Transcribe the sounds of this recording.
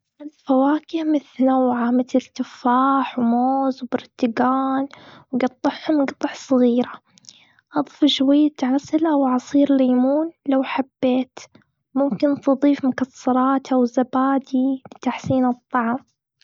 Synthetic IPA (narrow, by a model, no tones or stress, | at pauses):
ʔalfawaːkɪmɪθnawʕamɪt̪ɪlt̪ɪfaːħwmoːzwbɑɾˤt̪ɪɡaːnwɡɑt̪ˤːɑħhʊmɡɑt̪ˤħsˤɨɣiːɾa | ʔɑd̪ˤfʃwajːat̪ʕasɪlawʕɑsˤiːɾlaːmuːnlawħabːeːt̪ | mʊmkɪnt̪ɨðˤiːfmʊkasːɑɾˤɑːt̪ʔawzabaːd̪ilɪt̪aħsiːnɨt̪ˤːɑʕm